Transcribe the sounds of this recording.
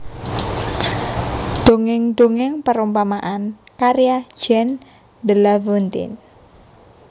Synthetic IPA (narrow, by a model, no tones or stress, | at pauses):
ɖ̪̥oŋɪŋd̪̥oŋɪŋpəɾumpamaʔankaɾijḁd͡ʒ̥ɛn | d̪əlavont̪ɪ̰n